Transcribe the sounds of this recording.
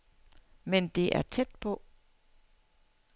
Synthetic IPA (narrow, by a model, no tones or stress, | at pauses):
mend̥e̝ʔæɐt͡sʰed̥̚pʰɔ̽